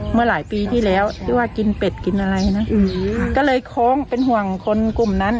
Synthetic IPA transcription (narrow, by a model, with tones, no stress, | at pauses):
mɯ˧˩ɐlaː˩˦jpiː˧t̪ʰiː˥˩lɛː˦˥˩wt̪ʰɯː˧˥˩waː˧˩ki˧npe˨˩t̪̚ki˧nʔa˧ɾa˧jna˦˥kɔ˧˥˩lɤː˧jkʰɔː˦˥˨ŋpe˧nɦu˧˩əŋkʰo˧nku˨˩mna˦˥n